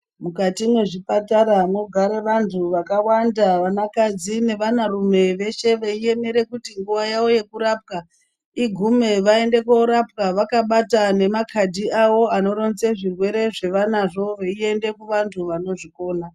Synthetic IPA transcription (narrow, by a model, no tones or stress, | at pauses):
mukatimwe̞ʐipataɾano̞ɡʱaɾeʋantʰuʋakawandaʋanakad͡zine̞ʋanarume̞ʋe̞ʃe̞ʋeie̞me̞ɾe̞kutiŋɡuʋajawo̞je̞kuɾaːp̚ka | iɡʱume̞ʋae̞nde̞koɾap̚kaʋakaɓatane̞makʰadʱiawo̞ano̞ɾo̞nze̞ʐirwe̞ɾe̞ʐe̞ʋanaʐo̞ʋeie̞nde̞kuʋantʰuʋano̞ʐiko̞ːna